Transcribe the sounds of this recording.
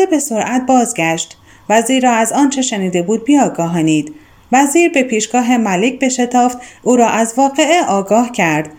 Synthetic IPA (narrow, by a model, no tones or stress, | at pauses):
ebe̞so̞ɾʔæt̪̚bɒːzɡæʃt̪ | væziːɾɒːæzɒːnt͡ʃʰe̞ʃeniːd̪e̞buːd̪̚biɒːɡɒːɦɒːniːd̪̥ | væziːɾbe̞pʰiːʃɡ̥ɒːɦe̞mælecʰbe̞ʃe̞t̪ʰɒːft̪ʔuːɾɒːʔæzvɒːɣe̞eʔɒːɡɒːhcʰæɾd̪̥